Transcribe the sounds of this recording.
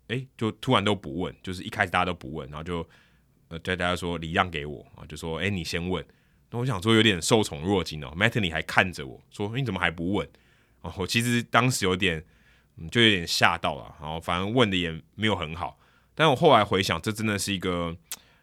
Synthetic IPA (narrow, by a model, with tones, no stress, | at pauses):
e˥ɪt͡ɕjo˥˩ʊt̪ʰu˥ɻa˧˥nt̪o˥ʊpu˧˦wə̰˥˨nt͡ɕjo˥˧ʊʂ̬ɻ̩˥˩i˥kʰa˥ɪʂ̩ɨ˨˩t̪a˥t̪o˥ʊpu˧˦wə̰˥˩na˧˦˥o˥˧˩t͡ɕo˥˩ʊ | ə˧t͡ɕo˥˧t̪a˥˩t͡ɕa˥˩ʂwɔ˦li˨˩lɑ˥˨˩ŋke˧˥ɪwɔ̰˨˩˦ɐ̰˨˧t͡ɕjo˥˩sʂwɔ˦e˥ɪni˨˩ɕjɛ˥nwə˥˨n | na˥˩wɔ˦ɕjɑ˨ŋswɔ˥˩jo˧˥t̪jɛ˨˩nʂo˥˩ʊt͡sʰʊ˧˥ŋɻwɔ˥˨t͡ɕi˧˥nə̰˨mɛ˥t̪ʰə˨li˨˩xa˧˥ɪkʰa˥˩nd͡zə˩wɔ̰˨˩swɔ˦˥˧t͡sə˨˩mə˨xa˧˥ɪp̬u˧˦wə˥˩n | ɔ˨˩wɔ˨˩t͡ɕʰi˧˥ʂ̬ɻ̩˧˥t̪ɑ˥ŋʂ̩˧˥jo˧˥i˧t̪jɛ˨˩n | m̩˥˩t͡ɕjo˥˩ʊjo˧˥t̪jʲɛ˨˩nɕja̰˥˧t̪ɑ˥˩ʊlə̰˨a˧˦xo˥˩fa˨˩nə˧˥nwə˥˨nd̪ə˩jɛ˨˩me˧˥ɪjo˨˩xə˧˦nxɑ˨˩˦ʊ | t̪a˥˩nwɔ˨˩xo˥˩ʊla˧˥ɪxwe˧˥ɪɕjɑ̰˨˩ŋʈ͡ʂɤ˥˧ʈ͡ʂə˦˥nd̪ə˨ʂɻ̩˥˩i˧˥ɡə˨